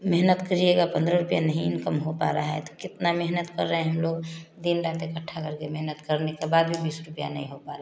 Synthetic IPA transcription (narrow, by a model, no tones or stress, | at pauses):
meɦnət̪kəɾieɡapə̃nd̪ɾəɾupjanəɦĩɪnkəmɦopa̰ɾaɦɛt̪ɔ̥kɪt̪nameɦnət̪kəɾːəɦɛ̃ɦəmloɡd̪inɾaɦt̪ekəʈʰːakəɾkemeɦnət̪kəɾnekebaːd̪bʱibiːsɾʊpja̰nəɦĩɦopaɾe